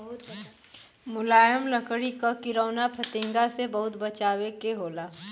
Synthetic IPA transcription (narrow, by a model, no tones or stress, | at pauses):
ɦt̪ | mʊlaːjəmləkɽikakɪɾəːnapʰɐt̪ɪ̃ːŋɡasebɐɦʊt̪bɐt͡ʃaːwekeɦoːlaː